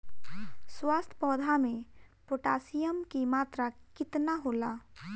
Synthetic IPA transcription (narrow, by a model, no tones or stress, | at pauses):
swaːst̪ʰpɔːd̪ʱamẽpoʈaːsijəmkimaːt̪ɾakɪt̪naɦoːlaː